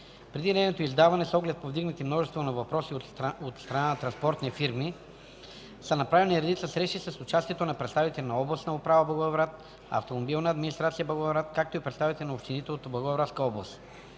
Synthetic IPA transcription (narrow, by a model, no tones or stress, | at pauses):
pɾɛd̪inɛnot̪oizd̪avɐnɛsɔɡlɛt̪̚povd̪iɡnət̪imnɔʒɛst̪vonɐvɐpɾɔsiot̪st̪ɾɐnanɐt̪ɾɐnspɔɾt̪nifiɾmi | sənɐpɾavɛniɾɛd̪it̪səsɾɛʃisəsʊt͡ʃast̪iɛt̪onɐpɾɛt̪st̪avit̪ɛlʲinɐɔblˠɐsnɐopɾavəblˠɐɡovɾat̪ | ɐ̰ft̪omobilˠnɐːd̪minist̪ɾat̪sijəblˠɐɡovɾat̪kak̚t̪oipɾɛt̪st̪avit̪ɛlinəopʃt̪init̪ɛot̪blˠɐɡoɐvɾat̪skəɔblˠɐst̪